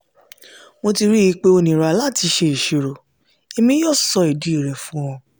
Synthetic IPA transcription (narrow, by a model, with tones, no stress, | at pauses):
mo˧ti˧ɾi˦ji˨˧˦k͡pe˦o˧nĩ˨ɾa˨la˦˨ti˧ʃe˧i˨ʃe˨ɾo˨ | e˧mĩ˦jɔ˦˨sɔ˧i˨di˨˦i˨ɾɛ˨fũ˦w̃ɔ̃˧